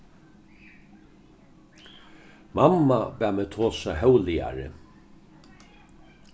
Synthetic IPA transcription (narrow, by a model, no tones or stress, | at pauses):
mamːabæːmeːt̪ʰoːsaɦɛwlɪa̰ɾə̰